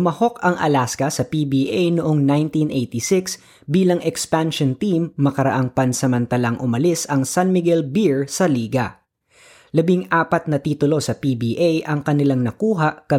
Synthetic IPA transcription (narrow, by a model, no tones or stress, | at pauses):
mɐho̞kɐŋʔɐ̰laskɐsɐpibiːʔejnʊʔoŋnajnt̪inʔejt̪isɪks | biːlɐŋɛkspanʃont̪imːɐkɐɾɐ̰ʔaŋpɐnsɐmɐnt̪ɐlɐŋʔʊmɐlɪsɐŋsanmɪɡɛlbiɹsɐliːɡɐ̰ | lɐbiŋʔaːpɐt̪̚nɐt̪iːt̪ʊlo̞sɐpibiːʔejʔɐŋkɐnɪlaŋnɐkuːɦaʔkɐ